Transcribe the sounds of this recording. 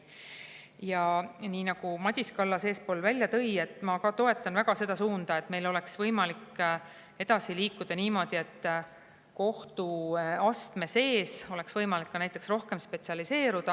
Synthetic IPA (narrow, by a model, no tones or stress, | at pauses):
jɑniːnɑɡ̥umɑd̪̥ʲiskɑlːɑse̞ːspo̞ːlvælʲːjɑt̪ɤje̞t̪ːˑmɑkɑt̪o̞e̞t̪ːˑɑnvæɡ̥ɑse̞d̪̥ɑsuːnd̪̥ɑe̞t̪ːme̞jlo̞le̞ksvɤjmɑlikː | e̞d̪̥ɑsiliːkːˑud̪̥ɑniːmo̞d̪̥ie̞t̪ːˑ | ko̞ht̪uɑst̪me̞se̞ːso̞le̞ksvɤjmɑlikːɑnæjt̪ːˑe̞ksro̞hke̞mspe̞t̪siɑlise̞ːɾud̪̥ɑ